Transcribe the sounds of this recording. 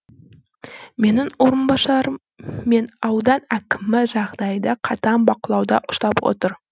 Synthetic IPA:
me̞nɪŋwo̞ɾənbɑʃˠɑɾəː | e̞nɑwd̪ɑnækʲɪmːɪʒɑʁd̪ɑjd̪ɑqʰɑt̪ɑnbɑqəlˠɑwd̪ɑʔʊ̥ʃt̪ɑpwo̰t̪əɾ

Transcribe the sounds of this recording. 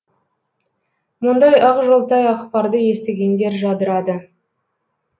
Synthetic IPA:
mʊnd̪ɑjɑʁʒolˠt̪ɑjɑχpɑɾd̪əje̞st̪e̞ɡʲe̞nd̪e̞ɾʒɑd̪əɾɑd̪ə

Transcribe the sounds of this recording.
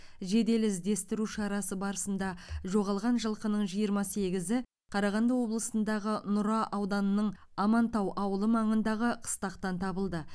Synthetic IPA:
ʒe̞d̪e̞lɪzd̪e̞st̪ɪɾuʃɑɾɑsəbɑɾəsənd̪ɑʒo̞ʁɑlˠʁɑnʒəlˠqənəɴʒijəɾmɑse̞ɡʲɪzɪ | qʰɑɾɑʁɑnd̪əwo̞blˠəsənd̪ɑʁənʊɾɑʔɑwd̪ɑnənəɴ | ɑmɑnt̪ɑwʔɑwəlˠəmɑɴənd̪ɑʁəqʰə̥st̪ɑqt̪ɑnt̪ʰɑbəlˠd̪ə

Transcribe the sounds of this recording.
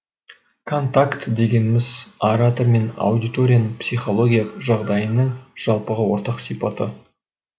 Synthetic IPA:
kʰo̞nt̪akt̪d̪e̞ɡʲe̞nɪmɪzaɾat̪oɾme̞na̰wd̪ijt̪o̞ɾʲijanpsijχo̞lˠo̞ɡʲijaʒɑʁd̪ɑjənəɴʒ̥ɑlˠpəʁəwo̞ɾt̪ɑqsijpɑt̪ə

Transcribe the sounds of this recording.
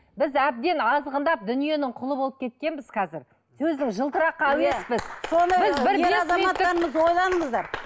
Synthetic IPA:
bɪzæb̚d̪e̞nɑzʁənd̪ɑp̚d̪ʏnije̞nɪŋqʰʊlˠəbo̞lˠəp̚kʲʰe̞t̪̚kʲe̞nbɪz̥qʰɑzɪɾ | sɵzd̪ɪŋʒəlˠt̪əɾɑqːɑwespɪzsonbɪzbɪɾeɑzɑmɑt̪ːɑɾəməzwo̞jlˠɑnəɴəzd̪ɑɾ

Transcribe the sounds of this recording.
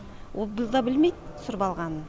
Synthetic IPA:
wʔobɪlˠd̪ɑbɪlmejd̪sʊɾbɑlˠʁɑnən

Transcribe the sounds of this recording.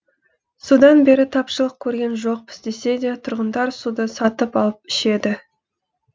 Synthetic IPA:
sud̪ɑnbe̞ɾɪt̪ʰɑpʃəlˠəq̚kʲʰɵɾɡʲe̞nʒo̞q̚pʰɪ̥sd̪e̞se̞d̪e̞t̪ʰʊɾʁənd̪ɑɾsud̪əsɑt̪əpɑlˠəpɪʃe̞d̪ɪ

